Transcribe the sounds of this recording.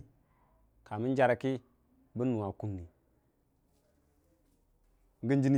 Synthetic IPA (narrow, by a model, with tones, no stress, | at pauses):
kʰa˨mi˦n˦d͡ʒa˦ɾa˨ki˦ | bə˦nːu˨a˨ku˦nːi˨ | ŋ˦ɡi˦n˦d͡ʒi˦ni˦